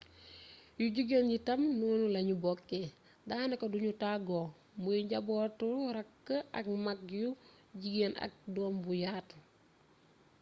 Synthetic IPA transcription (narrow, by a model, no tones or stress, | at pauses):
juɟiɡenɟitɐmnuːnulɐɲubɔkːe | daːnɐkɐduɲutaɡo | muiɟabɔːtuɾɐkːəʔɐk̚makju | ɟiɡenɐ̰k̚dɔːnbujaːt